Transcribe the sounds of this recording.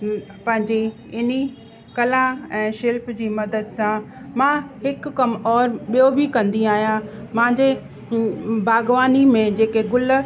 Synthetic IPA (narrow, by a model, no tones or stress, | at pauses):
pɐ̃ɦɪ̃ɲd͡ʑe | ɪni | kɐlãɛ̃ːʃɪlpd͡ʑiːmɐd̪əd̪sãmãhɪkʊːɐmɔːɾɓijobʱikɐ̃nd̪iaːɦijã | mɐ̃ɦɪ̃ɲ̆d͡ʑe | bʱaːɡʋaːnimẽd͡ʑeːkeɡʊl̆